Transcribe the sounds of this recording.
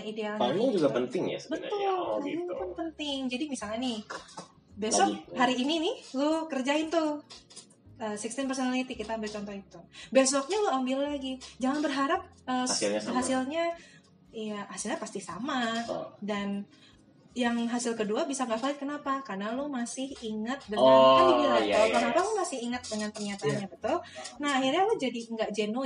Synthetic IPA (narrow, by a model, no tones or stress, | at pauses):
aidealsaɲiŋd͡ʒuɡapənt̪ɪŋja̰sbət̪ʊlaikanpənt̪ɪŋd͡ʒadimisalɲanɪh | bessɔkɦaɾiːninɪhlukərd͡ʒaɪnt̪u | əːsɪkst̪ɪmpərsonalit̪ikit̪aːmbɪlt͡ʃɔnt̪ɔit̪ubes̬ɔk̚ɲaloambɪllaɡid͡ʒaŋanbərɦaɾap̚ʔəːɦasɪlɲa | ijahasilɲapast̪isamadan | jaŋɦasɪlkəduabisaŋɡaʔfaɪt̪̚kənapakarnalumasɪhiŋət̪̚dəaɲalibilaʊkənapalumasɪhiŋət̪̚dəŋanpərɲat̪aanɲabət̪ʊlnaɦahirɲalud͡ʒadiŋɡaʔd͡ʒɛnu